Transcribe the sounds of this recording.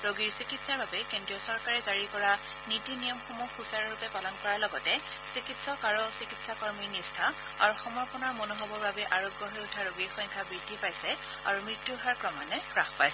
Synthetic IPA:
ɹoɡiɹsikitsaɹbabɛkendɹiɔsɔɹkaɹɛzaɹikɔɹa | nitinijɔmxomuxusaɹɔɹupɛpalɔnkɔɹalɔɡɔtɛsikitsɔkaɹɔsikitsakɔɹmiɹnistʰa | a̰ɹuxɔmɔɹpɔnɔɹmonoɦɔbɔɹbabɛʔaɹoɡjɔɦɔjutʰaɹoɡiɹxɔ̃jŋkʰabɹidʱipajsɛ | a̰ɹumɹitːuɦaɹkɹɔmanɛkɹaxpajsɛ

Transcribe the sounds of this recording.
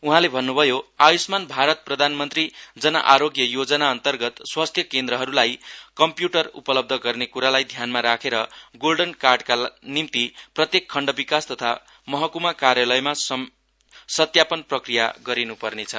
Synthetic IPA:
uɦãlebʱʌnːubʱʌjoajusmanbʱaɾʌt̪̚prʌd̪ʱanmʌnt̪rid͡zʌnʌ̰ʔaɾoɡjʌjod͡zʌnaʌnt̪ʌrɡʌt̪swast̪ʰjʌkend̪ɾʌɦʌɾulajkʌmpjuʈʌrṵpʌlʌb̚d̪ʱʌɡʌrnekuɾalajd̪ʱjanmaɾakʰeɾʌɡolɖʌnkarɖkanimt̪iprʌt̪jekʰːʌɳɖʌbikast̪ʌt̪ʰa | mʌɦʌkumakarjalʌjmas | sʌt̪japʌnprʌkrija̰ɡʌɾinupʌrnet͡sʰʌ

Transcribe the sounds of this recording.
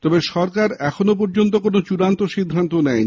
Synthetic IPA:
t̪ɔbeʃɔɾkaɾɛkʰonop̬ɔɾd͡ʑont̪okonot͡ɕuɾant̪oʃid̪ʱːant̪onɛj

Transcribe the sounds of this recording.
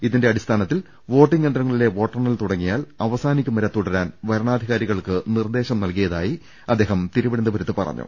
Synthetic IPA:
iðinde̞ɐɽist̪ʰaːnɐt̪ːil | ʋo̞ːʈːiŋɡendrɐŋːɐɭile̞ʋo̞ːʈːɐrnɐlt̪uɽɐŋːijaːlɐʋɐsaːnikʲːumɐɾɐt̪ːuɽɐɾaːnʋɐɾɐɳaːd̪ʱiɣaːɾiɣɐɭkɨnird̪e̞ːɕɐmnɐlkijɐðaːji | ɐd̪ːeːɦɐmt̪iɾuʋiɽɐnd̪ɐbɐɾɐt̪ːɨpɐ̰rɐ̰ɲːṵ

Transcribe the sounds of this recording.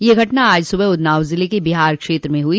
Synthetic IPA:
jeɡʱɐʈnaaːd͡ʒsʊbəʊd̪naːʋzɪlekebɪɦaːɾkʃeːt̪ɾəmẽɦui

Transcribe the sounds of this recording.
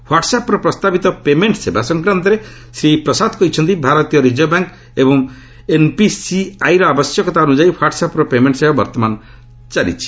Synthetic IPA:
waʈsapɾɔpɾɔst̪abit̪ɔpemeɳʈsebasɔŋkɾant̪ɔɾe | sɾipɾɔsad̪ʱkɔɾit͡ʃʰɔnt̪ibʱaɾɔt̪ijɔɾid͡ʒɔbaŋk | ebɔŋ | enpisiajɾɔabɔsjɔkɔt̪aonud͡ʒajpʰwaʈsapɾɔpemeɳʈsebabɔɾt̪ɔmanɔ | t͡ʃalḭt͡ʃʰi̥

